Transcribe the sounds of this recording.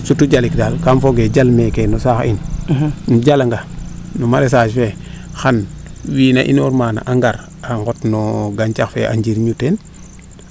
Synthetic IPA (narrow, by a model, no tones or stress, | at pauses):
sutuɟalikdalkamfoɡeɟalmekenusaxḭnnuɟalaŋɡanumaɾes̬at͡ʃfe | xanwiːnaʔḭnoɾmaːna̰ʔaŋɡaɾ | aŋɡotnɔɡaɲt͡ʃaxfeʔa̰ɲɟiɾɲuten